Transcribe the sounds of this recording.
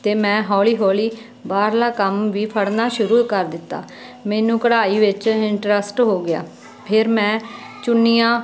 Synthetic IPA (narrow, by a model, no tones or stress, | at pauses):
t̪eːmɛ̃ːɦɔːliːɦɔːliː | baːɾlaːkəmʋiːpʰəɽnaːʃʊɾuːkəɾd̪ɪt̪ːa̰ː | meːnũːkəɽaːiːʋɪt͡ʃɪɳʈɾəsʈɦoːɡɪja̰ː | pʰɪɾmɛ̃ːt͡ʃʊnːijãː